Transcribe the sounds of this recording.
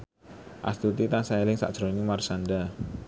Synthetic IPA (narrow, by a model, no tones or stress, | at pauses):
ʔa̰st̪ut̪it̪ansaelɪŋsa̰ʔd̥ʒ̥ɾonimarsanɖa